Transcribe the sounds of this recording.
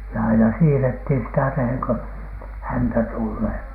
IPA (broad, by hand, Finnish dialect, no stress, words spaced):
jɑ ɑinɑ siːrethin sitæ teheŋ ko hæntæ tulːeː